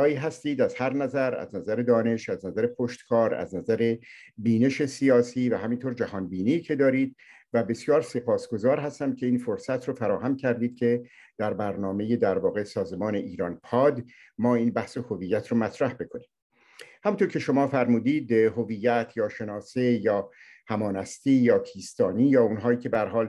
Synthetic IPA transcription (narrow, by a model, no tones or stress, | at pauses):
ɒːiːɦæst̪iːd̪æz̥hæɾnæzæɾæ̰znæzæɾe̞d̪ɒːne̞ʃæznæzæɾe̞pʰoʃt̪kʰɒːɾæ̰znæzæɾe̞biːne̞ʃe̞sijɒːsiːvæɦæmint̪ʰoːɾd͡ʒæhɒːnbiːniːcʰe̞d̪ɒːɾiːd̪̚ | væbe̞sjɒːɾse̞pʰɒːsɡ̥o̞zɒːɾɦæst̪æmcʰʲe̞iːnfoɾsæt̪ʰɾofæɾɒːhæmcʰæɾd̪iːd̪̥̚cʲʰe̞ | d̪̥æɾbæɾnɒːme̞jed̪æɾvɒːɣe̞sɒːzemɒːne̞ʔiːɾɒːnpʰɒːd̪ | mɒːiːnbæhsehoviːjːæt̪ʰɾomæt̪ʰɾæhbe̞kʰo̞niːm | hæmunt̪ʰoɾcʰe̞ʃo̞mɒːfæɾmuːd̪iːd̪ɦovijːæt̪ʰjɒːʃe̞nɒːsejɒː | hæmɒːnæst̪iːjɒːpʰiːst̪ɒːniːjɒːuːnɦɒːiːcʰe̞bææɾɦɒːl